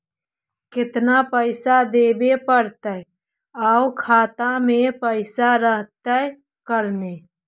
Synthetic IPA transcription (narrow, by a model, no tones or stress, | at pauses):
kɪt̪napəɪsad̪eːbepəɾt̪ə | aːwkʰaːt̪amẽpəɪsaɾəɦt̪ə | kəɾneː